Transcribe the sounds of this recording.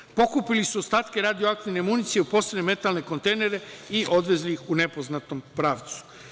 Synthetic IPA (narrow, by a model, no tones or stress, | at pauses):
po̞kupilisuost̪aːt̪ke̞ɾaːd̪ioak̚t̪iʋne̞munit̪sije̞upo̞seneme̞t̪alne̞ko̞nt̪e̞jne̞ɾeiʔo̞d̪ʋe̞zlixune̞po̞znat̪o̞mpɾaːʋt̪su̥